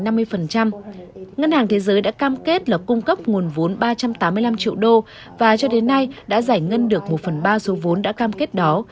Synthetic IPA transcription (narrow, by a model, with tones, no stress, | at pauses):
na˧mːɨ˧əjfə˨˩nt͡ɕa˧mŋə˧nhaː˨˩ŋt̪ʰe˨˦zəː˨˦jɗa̰ː˧˥kaː˧mke˦˥t̚laː˨˩kʊ˧ŋ͡mkə˦˥p̚ŋu˨˩ənvo˨˦nɓaː˧t͡ɕa˧mt̪aː˨˦mɨ˧jla˧mt͡ɕḭ˧˨əwɗo˧ | vaː˨˩t͡ɕɔ˧ɗe˨˦nːa˧jɗa̰ː˧˥za˧˩jŋə˧nɗɨ˨˩ək̚mo˨˩t̚fə˨˩nɓaː˧so˨˦vo˨˦nɗa̰ː˧˥kaː˧mke˦˥t̚ɗɔ˨˦